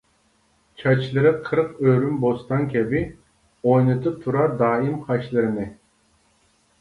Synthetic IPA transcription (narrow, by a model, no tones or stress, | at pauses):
t͡ʃʰɑt͡ʃʰlˠɨɾɨqʰəɾqøɾymbost̪ɑŋkʲʰɛbɪ | ojnɨt̪ʰɨp̚t̪ʰuɾɑɾd̪ɑːimqʰɑʃlˠɨɾɨnɨ